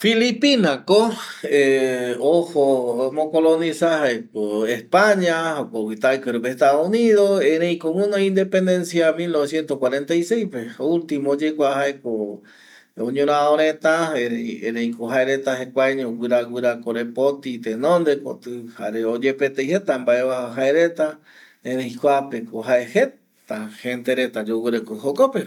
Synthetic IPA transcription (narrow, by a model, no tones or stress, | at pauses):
filipinakoeohomõkolonĩsahaekoespaɲahokowit̪aikɨɾupeest̪aðouniðoeɾejkowũnoĩnd̪epend̪ensjamilnoβesjent̪ohkwaɾẽnt̪ajsejspeoult̪imoːd͡ʒekʷaɦaeko | õɲũɾ̃ãoɾ̃ẽt̪aeeeɾẽjkoɦaeɾet̪aɦekʷaeɲõwʷɨɾaɡʷwɨɾakoɾepot̪it̪enõnd̪eko̰t̪ɨha̰ɾeod͡ʒepet̪ejhet̪ambaeβaɦaeɾet̪a | ẽɾẽj̃kʷapekoɦaehe | t̪ahent̪eɾet̪ad͡ʒowɨɾekohokope